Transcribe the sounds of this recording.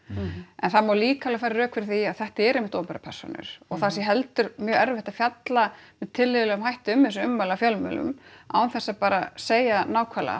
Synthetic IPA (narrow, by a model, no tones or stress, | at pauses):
ɛnθaðmaɾliːkalafaːɾaɾœːkfɪɾθiaðθɛht̪ɪɛɾejmɪht̪oːpɛɾapʰɛ̰r̥sɔ̰nʏ̰ɾ̥ɔɣθasjɛɦɛlt̪ʏɾmjœːɛɾvɛht̪afjat̪lamɛðt̪ʰɪlːɪðlɛʏmhajht̪ʏmɪnsʏʏmːalafjœlmœ̰lʏ̰ma̰wnθɛsːapaːɾaseːjanaːwkʰvala̰